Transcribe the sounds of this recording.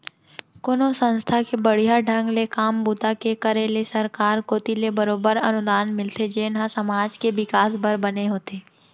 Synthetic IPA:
koːnosə̃nst̪ʰakebɐɽ̤ijaɖʱə̃ŋɡlekaːmbʊt̪akekəɾelesɐɾkaːɾkoːt̪ilebəɾoːbəɾɐnʊd̪aːnmɪlt̪ed͡ʒeːnɦasɐmaːd͡ʒkeʋɪkaːsbəɾbɐneɦoːt̪eː

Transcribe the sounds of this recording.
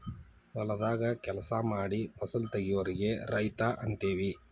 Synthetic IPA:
ʋɐlɐd̪aːɡɐkɛlɐsɐmaːɽipɐsult̪eɡijuʋɐɾiɡe̞ɾɐjt̪aʔɐnt̪eːʋi

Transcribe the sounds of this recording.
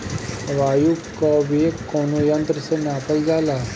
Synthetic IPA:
ʋaːjukaʋekoːnojɐ̃nt̪ɾəsenaːpəld͡ʒaːlaː

